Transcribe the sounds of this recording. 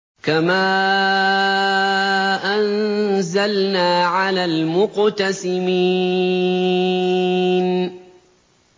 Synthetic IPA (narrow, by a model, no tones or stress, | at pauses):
kamaː | ʔanzalnaːʕalaːlmʊqt̪asɪmiː | n